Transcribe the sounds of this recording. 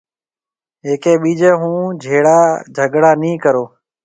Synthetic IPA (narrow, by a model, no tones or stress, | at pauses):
ɦeːkeːɓiːd͡ʒeːɦũːd͡ʒʱeːɽaːd͡ʒʱəɡɽaːnĩːkəɾoː